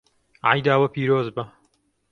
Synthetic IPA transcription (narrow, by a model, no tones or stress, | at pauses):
ʕa̰jd̪aːwɐpiːɾoːzbɐ